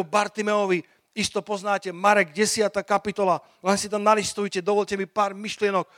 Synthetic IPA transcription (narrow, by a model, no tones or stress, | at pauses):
ubaɾt̪imɛɔʋi | ist̪ɔpɔznaːcɛmaɾɛɡɟɛsɪat̪akapit̪ɔla | lɛnsit̪amnalist̪ujcɛd̪ɔʋɔlcɛmipaːɾmiʃlɪɛnɔk